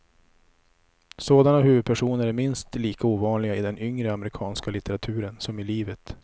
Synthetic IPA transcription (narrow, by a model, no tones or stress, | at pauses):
soːd̪anaɦʉvɵd̪̚pʰæʂuːnəɾæɾmɪnst̪liːkauːvɑːnlɪɡaɪd̪ɛnʏŋɾəamɛɾɪkʰɑːnskalɪt̪əɾat̪ʰʉ̟ːɾənsɔmɪliːvət̪